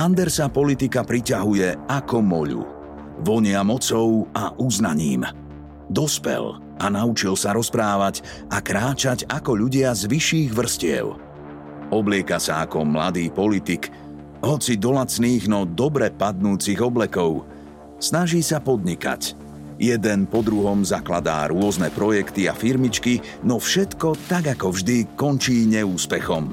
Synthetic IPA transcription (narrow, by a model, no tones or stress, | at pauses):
and̪ɛɾsapɔlit̪ikapɾicaɦujɛakɔmɔʎṵ | ʋɔɲɪamɔt͡sɔʊaʔuznaɲḭːm | d̪ɔspɛ̰l | ʔanaut͡ʃilsaɾɔspɾaːʋaɟ | akɾaːt͡ʃaɟakɔʎuɟɪazʋiʃiːɣʋr̩scɪɛ̰ʊ | ɔblɪɛkasaakɔmla̰d̪iːpɔlit̪ik | ɦɔt͡sid̪ɔlat͡sniːɣnɔd̪ɔbɾɛpad̪̚nuːt͡siɣɔblɛkɔʊ | snaʒiːsapɔd̪ɲika̰c | jɛd̪ɛnpɔd̪ɾuɦɔmzaklad̪a̰ːɾʊɔznɛpɾɔjɛkt̪ia̰fiɾmit͡ʃki | nɔfʃɛt̪kɔt̪aɡakɔvʒd̪ikɔnt͡ʃiːɲɛuːspɛxɔm